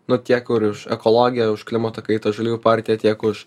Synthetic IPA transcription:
nʊt̪ʲiɛkʊɾʊʃɛkɔlˠoːɡʲɪjɛʊʃklʲɪmɐt̪oːkɐɪt̪oʒɐlʲuːjʲupɑˑɾʲt̪ʲɪjɛt̪ʲiɛkʊʃ

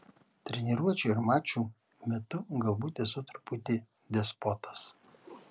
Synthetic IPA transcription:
t̪ʲɾʲɛnʲɪɾuɔt͡ʃʲuːɪɾmɑːt͡ʃʲuː | mʲɛt̪ʊɡɐlˠbuːt̪ʲesʊt̪ɐɾpʊt̪ʲeː | d̪ʲɛspɔt̪ɐ̥s

